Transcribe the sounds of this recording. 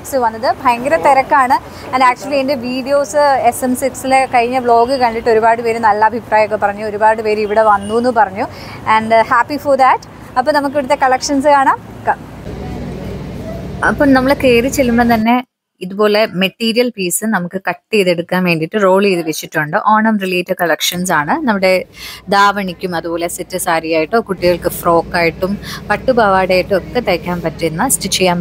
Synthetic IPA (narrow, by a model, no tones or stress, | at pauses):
ksɨʋɐnːɐðɨbʱɐjɐŋɡɐɾɐt̪ːeɾɐkːaːɳɨ | ɐnɖaːk̚t͡ɕuɐlːiendeʋiːɖijo̞ːsɨesemsiksilekɐɻiɲːɐbɭo̞ːɡɨkɐɳɖiʈːo̞ɾubaːɽɨpe̞ːɾumnɐlːɐɐbʱipraːjɐokːepɐrɐɲːuo̞ɾubaːɽɨpe̞ːɾumiʋiɽe̞ʋɐnːuenːɨpɐrɐɲːu | ɐɳɖhaːpiforðɐʈ | ɐpːoːnɐmuk̬ːiʋiɽut̪ːe̞kɐɭɐkʂɐnsɨkaːɳaːmk | ɐpːɐːɭnɐmːɐɭekeːrɨt͡ɕːelumːɐnt̪ɐnːe̞ | iðubo̞ːle̞meʈːiːɾijɐlpiːsɨnɐmukːɨkɐʈːiðeɽukːaːnʋe̞ːɳɖiʈːɨro̞ːɭeːðɨʋet͡ɕːiʈːuɳɖɨʔoːɳɐmriliːtːɐkɐɭɐkʂɐns̬aːɳɨnɐmːuɽe̞d̪aːʋɐɳikʲːumɐðubo̞ːle̞sitːɨsaːɾijaːjiʈːɨoːkuʈːiɣɐɭkɨfro̞ːkːaːjiʈːumpɐʈːubaːʋaːɽaːjiʈːɨokːe̞t̪ɐjkʲːaːmpɐtːuenːɨstit͡ɕːejːaːm